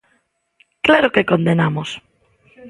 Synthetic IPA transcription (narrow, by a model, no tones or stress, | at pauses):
klaɾokekõnd̪enamos